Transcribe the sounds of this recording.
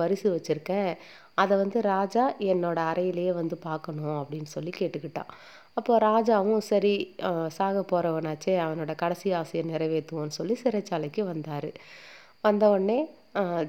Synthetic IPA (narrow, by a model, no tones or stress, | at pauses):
pɐɾɪsɯʋɐt͡ʃːɯɾɯkːẽː | ɐðɛʋɐnd̪ɯɾaːd͡ʒaːɛnːoːɽɐːɾɐjɪlɐjeːʋɐnd̪ɯpaːɾkɐɳʊ̃ɐpːɐɽɪnːɯsɔlːikeːʈːɯkːɪʈːã̰ː | ɐpːoːɾaːd͡ʒaːʋʊ̃sɐɾisaːɣɐpːoːɾɐʋɐnaːt͡ʃːeːɐʋɐnoːɽɐkɐɽɐsɪjaːsɪjɐ̃nɪɾɐʋeːt̪ːɯʊ̃nːɯsɔlːisɪɾɐt͡ʃːaːlɐɪkːɯʋɐnd̪aːɾɯ | ʋɐnd̪ɐɔɳːeː